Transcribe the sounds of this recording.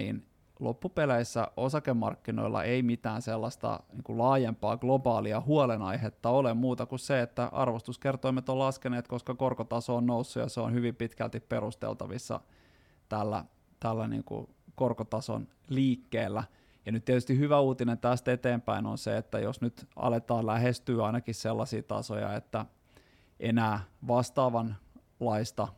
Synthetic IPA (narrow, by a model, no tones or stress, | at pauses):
nḭːn | lo̰pːupeleisːæ̰ʔosɑkemːɑ̰rkːino̰ilʔɑ̰ʔeimit̪æːnselːɑst̪ɑ̰niːŋkulɑːjempɑ̰ːɡ̥lobɑːliɑhuolenɑihet̪ːɑolemmuːt̪ɑkusseet̪ːæʔɑ̰rʋost̪uskert̪oimet̪olɑskeneːt̪koskɑkorkot̪ɑsoːnnousːujɑ̰seo̰nhyʋimpit̪kæ̰lt̪ipperust̪ḛlt̪ɑ̰ʋisːɑ̰ | t̪ælːæ̰ | t̪ælːænḭːŋkṵ | korkot̪ɑso̰n | liːkːeːlːæ | jɑnyt̪t̪iet̪yst̪ihyʋæuːt̪inent̪æst̪et̪eːmpæino̰nsḛet̪ːæ̰jo̰snyt̪ɑ̰let̪ɑːllæhest̪yːɑinɑkisselːɑsḭːt̪ɑ̰so̰jɑ̰et̪ːæ | ʔenæːʋɑst̪ɑːʋɑn | lɑist̪ɑ